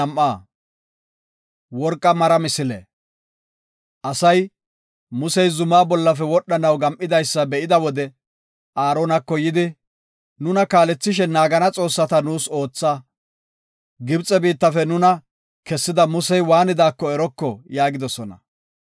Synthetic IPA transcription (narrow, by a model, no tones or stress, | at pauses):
ɐmʔːaː | wɔɾkʼːɐmɐɾɐmɪsɪlɛ | ʔɐsɐj | mʊsɛjzʊmaːbɔlːɐfɛwɔɗːɐnɐwɡɐmʔɪd̪ɐjsːɐbɛʔɪd̪ɐwɔd̪ɛ | ʔaːɾoːnɐkːɔjɪd̪ɪ | nʊnɐkaːlɛt͡sːɪʃ̬ɛnaːɡɐnɐt͡sʼo̞ːsːɐt̪ɐnuːso̞ːt͡sːaː | ɡɪbt͡sʼːɛbiːt̪ːɐfɛnʊnɐ | kɛsːɪd̪ɐmʊsɛjwaːnɪd̪aːkːɔɛɾɔkːɔjaːɡɪd̪ɔsɔnɐ̰